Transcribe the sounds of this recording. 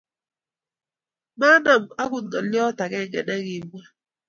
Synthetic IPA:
ma˦na˨m̩˨a˦kʊ˨nɔ˨lɪ˦ɔ˦ta˨kɛ˦˨ŋɛ̰˨nɛ˦ɣɪ˨˦mʷ˦a˦

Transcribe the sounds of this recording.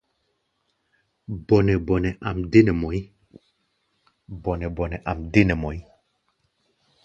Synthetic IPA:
bɔ˨nɛ˨bɔ˨nɛ˨ʔa˨mde˦nɛ˨mɔ˨i˦ | bɔ˨nɛ˨bɔ˨nɛ˨ʔa˨mde˦nɛ˨mɔ˨i˦

